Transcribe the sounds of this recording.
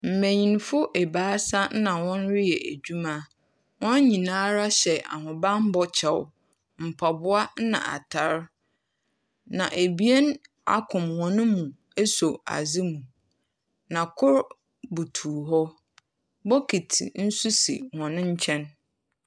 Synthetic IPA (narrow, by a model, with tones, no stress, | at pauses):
m̩˨mæ̃˨ɲĩ˨nfʊ˦ʔe˨baː˨˦sa˦n˦nã˨wɔ̃˦nɾɪ˦jɛ˨ʔæ˨d͡ʑᶣu˦mã˦ | wɔ̃˦n˦ɲĩ˨nãː˦ɾa˦ɕɛ˨a̰˨ɦʊ̃˨bã˦m̩˦bɔ˦t͡ɕʰɛ˨w̰ | m̩˨pʰa˨bʊ˦a˦n̩˦nã̰˨a̰˨tʰa˦ɾ | nã˨ʔe˨bi˦e˦n | a̰˦kʰʊ̃˨mhɔ̃˨nʊ̃˦mũ˨ | e˦so˨a̰˨zɪ˦mũ˨ | nã˨kʰʊ˦ɾ | bu˨tʰuː˨ɦɔ˦ | bɔ˦kʰi˨tʰḭ˨n̩˦su˦sḭ˨hɔ̃˨nʊ̃˦ɲ̩˦t͡ɕʰɛ̃˦n